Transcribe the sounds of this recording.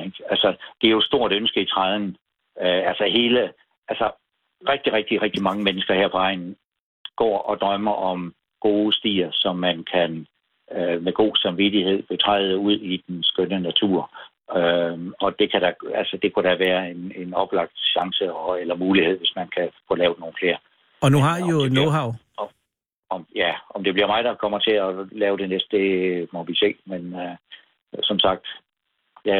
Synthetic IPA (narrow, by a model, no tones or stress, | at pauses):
eɡ̥ælsəd̥e̝æɐjosd̥o̝ɐ̰d̥ønsɡ̥əit͡sʰʁɑð̞ˠn | øælsəɦe̝ːlə | ʔælsə | ʁɛɡ̥̚d̥iʁɛɡ̥̚d̥iʁɛɡ̥̚d̥imɑ̈ŋəmenəsɡ̥ɐheɐ̰pʰɒ̽ɑ̈ɪ̰nn̩ | ɡ̥ɒ̰ːʔɒ̽d̥ʁɶmɐʔɒ̽m | ɡ̥o̝ːsd̥ḭːɐsɒ̽mːænkʰæn | ømeɡ̥o̝̰ːsɑ̈mʋid̥ihe̝ð̞̰ˠb̥et͡sʰʁɑ̈ɪ̰ð̩ˠəuð̞̰ˠid̥ensɡ̥ønənæt͡sʰṵɐ̰ | øɒ̽d̥e̝kʰæɾ̥æælsəd̥e̝kʰuɾ̥æʋæːɐene̝nɒ̽b̥lɑ̈ɡ̥̚d̥ɕɑ̈ŋsəɒelɐmuːlihe̝ð̰ˠʋe̝smænkʰæfɔlɛːʊdeno̝ːn̩fle̝ːɐ | ɒnuɦɑonoɦɑʊ | ɒ̽mjæɒ̽md̥e̝b̥liɐmɑ̈ɪd̥ɑ̈kʰɒ̽m̰ɐt͡sʰe̝ælɛːʊd̥e̝nesd̥d̥e̝mɒ̽ʋise̝̰ːmenø | sɒ̽msɑ̈ɡ̥̚d̥ | jæ